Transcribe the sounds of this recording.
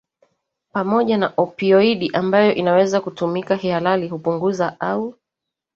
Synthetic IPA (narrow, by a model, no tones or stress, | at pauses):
pamɔʄanaʔɔpiɔiɗiʔambajɔʔinawɛzakutumikahialaliɦupuŋɡuzaʔau